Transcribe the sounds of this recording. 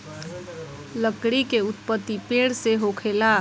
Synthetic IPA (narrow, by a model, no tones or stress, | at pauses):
ləkɽikeʊt̪̚pət̪ːipeɽseɦokʰela